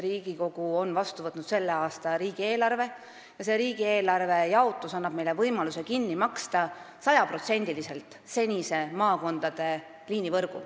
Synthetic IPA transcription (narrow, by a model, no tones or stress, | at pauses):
ɾiːɡ̥iko̞ɡ̥uo̞nvɑst̪uvɤt̪nut̪se̞lːe̞ɑːst̪ɑɾiːɡ̥ie̞ːlɑrve̞ | jɑse̞ɾiːɡ̥ie̞ːlɑrve̞jɑot̪ːˑusɑnːɑb̥̚me̞jlevɤjmɑluse̞kinːimɑkst̪ɑ | sɑjɑpro̞t̪se̞nʲd̪̥ilise̞lt̪ˑ | se̞nʲise̞mɑːko̞nd̪̥ɑd̪̥e̞ | liːnivɤrɡ̥ṵ